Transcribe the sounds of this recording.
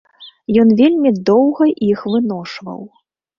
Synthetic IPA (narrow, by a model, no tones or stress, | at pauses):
jɔnvʲelʲmʲid̪ɔwɣɐʔixvɨnɔʂvɐ̰w